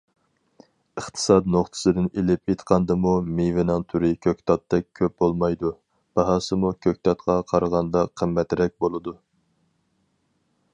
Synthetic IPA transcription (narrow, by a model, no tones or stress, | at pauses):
əχt̪ʰɨ̥sɑt̪noχt̪ʰɨ̥sɨd̪ɨnelɪpʰet̪qʰɑnd̪ɨmumevɪnɨŋt̪ʰuɾɪkʲʰøkʲt̪ʰɑt̪ːɛk̚ʲkʲʰːøp̚bolˠmɑjd̪u | b̥ɑɦɑːsɨmukʲʰøk̚ʲt̪ʰɑt̪qʰɑqʰɑɾʁɑnd̪ɑqʰəmːɛt̪ɾɛk̚ʲbolˠɨd̪u